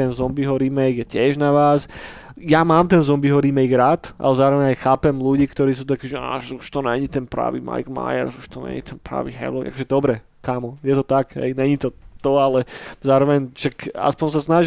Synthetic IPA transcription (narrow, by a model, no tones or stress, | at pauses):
ɛnzɔmbiɦɔɾimɛjɡjɛcɪɛʒnaʋaːs | jamaːmt̪ɛnzɔmbiɦɔɾimɛjɡɾat̪ʔa̰lɛzaːɾɔʋɛɲajxaːpɛmluɟiːkt̪ɔɾiːs̬uːt̪̬akiːʒɛa̰ʒuʃt̪ɔnɛɲit̪ɛnpɾa̰ːʋḭma̰jɡma̰jɛ̰ɾsuʃt̪ɔɲɛ̰ɲit̪ʰɛnpɾa̰ːʋḭɦɛ̰lɔʔa̰kɔʒɛd̪ɔbɾɛ | kaːmɔjɛt̪ɔt̪aɡɦɛ̰jɲɛɲit̪ɔt̪ɔalɛzaːɾɔʋɛɲʃaka̰spɔɲs̬asnaʒ